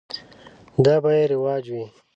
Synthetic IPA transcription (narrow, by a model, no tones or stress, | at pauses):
d̪ɑːbajeɾɪwɑːd͡ʒwi